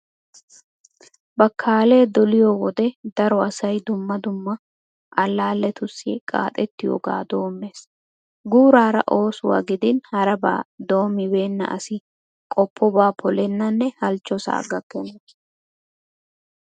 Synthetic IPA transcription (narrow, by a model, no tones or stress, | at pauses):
bɐkʰːaːle̞ːd̪ɔlɪjɔːwɔd̪ɛd̪ɐɾɔɐsɐjd̪ʊmːɐd̪ʊmːɐ | ʔɐlːaːlːɛt̪ʊsḭkʼa̰ːt̪ʼɛt̪ːɪjo̰ːɡa̰ːd̪o̞ːmːe̞ːs | ɡuːɾaːɾɐ̰ʔo̞ːsʊwa̰ɡɪd̪ɪnhɐɾɐba̰ːd̪o̞ːmːɪbe̞ːnːɐ̰ʔɐ̰sɪ | kʼɔpʰːɔbaːpʰɔlɛnːɐnːɛhɐlt͡ʃːɔsa̰ːɡɐkːɛne